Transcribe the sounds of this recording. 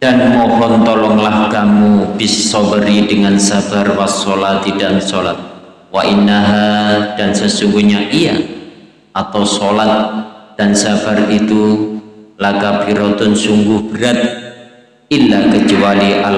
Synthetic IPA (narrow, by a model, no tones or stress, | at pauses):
d̥anmɔɦɔnt̪ɔlɔŋlahkamubɪssɔbəɾidəŋansabarwasolat̪idansolat̪̚ | waʔinːaɦad̥ansəsuŋɡuhɲaʔija̰ | ʔat̪awsolat̪̚d̥ansabarit̪u | lakabiɾɔt̪ʊnsuŋɡʊhb̥əɾat̪̚ | ilːakət͡ʃualiʔal